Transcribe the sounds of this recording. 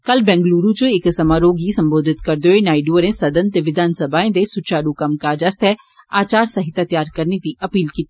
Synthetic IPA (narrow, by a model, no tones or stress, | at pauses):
kɐlbɛ̃ːŋɡluːɾũt͡ʃʊɪksɐmaːɾoːɡisɐ̃mboːd̪ʱɪt̪kɐɾd̪oenaːɪɖuəɾẽsɐd̪ənt̪eʋɪd̪ʱaːnsɐbʱaːẽd̪esʊt͡ʃʰaːɾukɐmkad͡ʒɐst̪ɛ | aːt͡ʃaːɾsɐɦɪt̪at̪jaːɾkɐɾnet̪iʔɐpiːlkiːt̪ː